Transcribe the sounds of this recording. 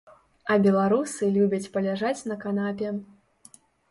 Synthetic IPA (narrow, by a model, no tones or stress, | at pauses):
ɐbʲɛlˠaɾusɨlʲubʲɐt͡sʲpɐlʲaʐat͡sʲnɐkanapʲɛ